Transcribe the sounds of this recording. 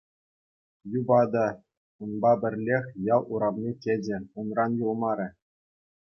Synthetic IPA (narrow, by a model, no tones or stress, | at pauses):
jubɑd̪ɑ | unbɑbʲɘ̆rʲlʲexʲjɑlˠuɾɑvnʲetʲed͡ʑʲɘ̆unrɑnjulˠmɑɾʲɘ̆